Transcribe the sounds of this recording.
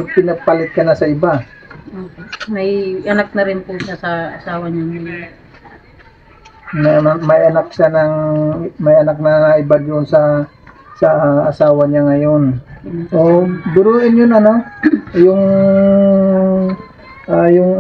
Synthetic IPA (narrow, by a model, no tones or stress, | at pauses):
pɪnɐɡ̚palɪt̪̚kɐnɐsɐʔɪba | oːkemɐjʔɐnak̚nɐɾɪnpʊʃasɐʔɐsaːwɐɲaŋɐjo | nɐɐmɐjʔɐnak̚ʃanɐŋmɐjʔɐnak̚nɐnɐʔɪbad̪ʊʔonsɐ | sɐɐsaːwɐɲaŋɐjo̞nʔod̪ʊɾuːʔɪnjʊnɐno̞jʊŋ | ʔajʊŋ